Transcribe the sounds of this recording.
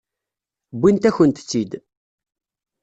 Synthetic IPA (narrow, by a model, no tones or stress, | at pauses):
bːint̪æçənt̪t͡sːid̪